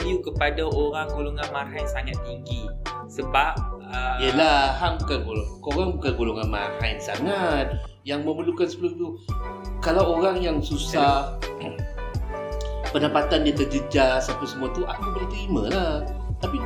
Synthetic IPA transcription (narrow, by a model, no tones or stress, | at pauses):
ijukəpadaoɾaŋɡoloŋanmarɦajnsaŋat̪̚ːiŋɡisəbap̚əiəlaɦaŋbukanɡolokoɾaŋbukanɡoloŋanma̰rhajnsa̰ŋat̪̚ | jaŋməmbəlukansəbəloit̪ukalawoɾaŋjaŋsusah | pənəpat̪andiət̪ərd͡ʒəd͡ʒasapasəmuat̪uʔakanbərt̪əɾimã̰laht̪api